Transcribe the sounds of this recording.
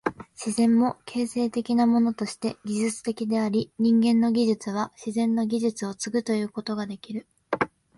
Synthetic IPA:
ɕizẽ̞mːo̞kʰe̞ːse̞ːt̪e̞kʲinamo̞no̞t̪o̞ɕi̥t̪e̞ɡʲiʑɨt͡sɨ̥t̪e̞kʲid̪e̞aɾʲiɲ̟ĩŋɡẽ̞nːo̞ɡʲiʑɨt͡sɨβ̞aɕizẽ̞nːo̞ɡʲiʑɨt͡sɨo̞t͡sɨɡɯ̟t̪o̞jɯ̟ːko̞t̪o̞ɡad̪e̞kʲiɾɯ̟

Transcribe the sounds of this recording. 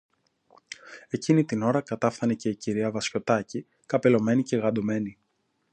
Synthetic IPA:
e̞cinit̪ino̞ɾɐkɐt̪ɐfθɐnece̞iciɾiɐvɐsço̞t̪ɐci | kɐpe̞lo̞me̞nice̞ɣɐd̪o̞me̞ni

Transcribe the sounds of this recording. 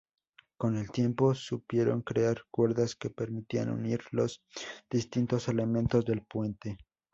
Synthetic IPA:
ko̞ne̞lt̪je̞mpo̞supje̞ɾo̞̰ŋkɾeaɾkwe̞ɾðaske̞pe̞ɾmit̪ianṵniɾlo̞zðist̪int̪o̞se̞le̞mẽ̞nt̪o̞zðe̞lpwe̞nt̪e̞

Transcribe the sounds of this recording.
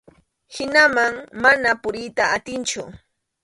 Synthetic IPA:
hɪnamaŋmanapʊɾɪjt̪aat̪ɪnt͡ʃʊ

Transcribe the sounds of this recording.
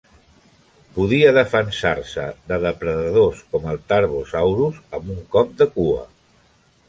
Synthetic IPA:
puðiəðəfənsaɾsə̰ðəðəpɾəðəðoskɔməlˠt̪aɾβuzawɾusəmbuŋkɔp̚d̪əkuə̰

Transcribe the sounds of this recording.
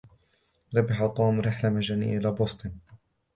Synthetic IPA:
ɾɑbɪħat̪ˤuːmɾɪħlamad͡ʒanḭʔɪlaːbʊst̪ɨn

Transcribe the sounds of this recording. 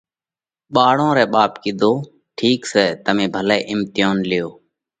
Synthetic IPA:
ɓaːɽõːɾɛːɓaːpkɪd̪ʱoː | ʈʰiːksɛːt̪əmẽːbʱəlɛːʔɪmt̪ɪjoːnlɪjoː

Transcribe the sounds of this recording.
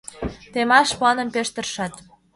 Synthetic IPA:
t̪emɑʃpɑnə̆mpeʃt̪ə̆rʃɑt̪

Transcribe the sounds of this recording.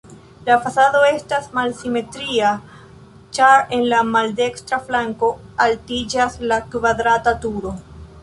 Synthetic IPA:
lafasado̞e̞stasmalsime̞tɾia | t͡ʃaɾe̞nlamalde̞kstɾaflaŋko̞altid͡ʒaslakvadɾatatuɾo̞

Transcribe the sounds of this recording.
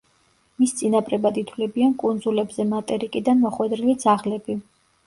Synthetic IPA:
mist̪sʼinapʼɾɛbad̪it̪ʰwlɛbiankʼund̪zulɛbzɛmat̪ʼɛɾikʼid̪anmɔχwɛd̪ɾilit̪sʰaʁlɛbi

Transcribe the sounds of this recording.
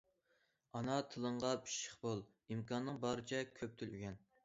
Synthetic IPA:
ɑnɑt̪ʰɨlˠəɴʁɑbi̥ʃə̥χbolˠ | imkʰɑnːɨŋbɑɾɨt͡ʃʰɛkʲʰøp̚t̪ʰɪlyɡʲɛn

